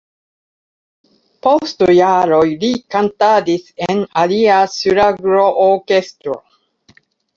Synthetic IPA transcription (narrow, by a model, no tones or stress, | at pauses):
post̪ujaɾojlikant̪ad̪isenaliasyɾaɡɾoʔokest̪ɾo̰